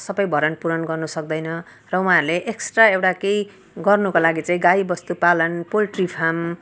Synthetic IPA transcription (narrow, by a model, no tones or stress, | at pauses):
sʌbʌjbʱʌɾʌnpuɾʌnɡʌrnusʌk̚d̪ʌjnʌ | rʌwũɦãɾuleʔeksʈraewʈakej | ɡʌrnukolaɡit͡saĩɡajbʌst̪upalʌnpolʈripʰam